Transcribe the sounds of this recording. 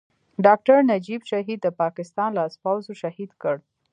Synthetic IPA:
ɖɑk̚ʈaɾnad͡ʒibʃaɦid̪̚ːəpɑkɪst̪ɑnlɑspawzoʃahid̪kəɽ

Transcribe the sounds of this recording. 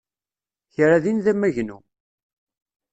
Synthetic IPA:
çɾaðinðæmːæʝnu

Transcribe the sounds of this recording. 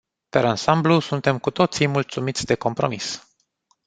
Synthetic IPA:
peɾansamblusunt̪e̞mkut̪o̞t̪sijmult̪sumit̪sʲd̪e̞ko̞mpɾo̞̰mis

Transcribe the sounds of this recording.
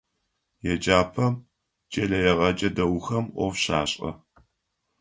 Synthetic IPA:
jɛd͡ʒaːpʰɐm | t͡ʃʼɐɮɐjɛʁɐd͡ʒʼɐdɐwxɐmʔʷɔ̰vɕa̰ːɕʼɐ̰

